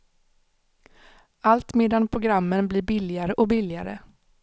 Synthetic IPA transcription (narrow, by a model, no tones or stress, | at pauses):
alt̪meːd̪anpʰɾʊɡɾamːənbliːɾbɪlɪaɾəʔɔbɪlɪa̰ɾə̰